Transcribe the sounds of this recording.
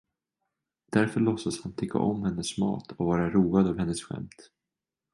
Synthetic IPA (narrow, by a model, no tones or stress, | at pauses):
d̪̥æɾfœɭɔsəshant̪ʰʏkʰːa̰ʔɔmːhɛnːəsmɑ̰ːt̪ʰɔvɑːɾaɾuːad̪ɑvhɛnːəsɧɛ̰mt̪